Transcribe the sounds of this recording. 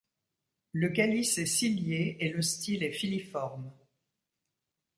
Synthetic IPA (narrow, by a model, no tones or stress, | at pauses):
ləkalisɛsiljeeləst̪ilɛfilifɔʁm